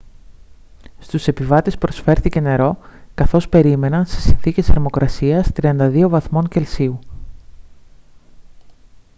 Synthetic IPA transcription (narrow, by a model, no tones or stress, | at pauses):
st̪use̞pivɐt̪e̞sppɾo̞sfe̞ɾθice̞ne̞ɾo̞kɐθo̞spe̞ɾime̞nɐnse̥sinθice̞sɐɾmo̞kɾʔɐsiɐst̪ɾiɐnd̪ɐðio̞vɐθmo̞ŋce̞lsiu